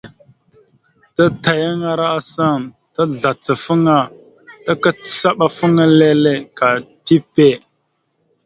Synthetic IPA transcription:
ta˦ta˨ja˦ŋa˦ɾa˦a˦sa˦˨ŋ | ta˦ɮa˨t͡sə˨fə˦ŋa˦˨ | ta˦ka˦t͡sə̥˨sa˦ɓa˨fə˦ŋa˦le˦le˦ka˨ti˦pe˦˨

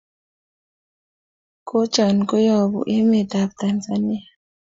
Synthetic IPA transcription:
ko˦t͡ʃa˨nko˦jɔ˨bṵ˨ʔe˦me˨ta˨bta˨nza˨ni˦a˨

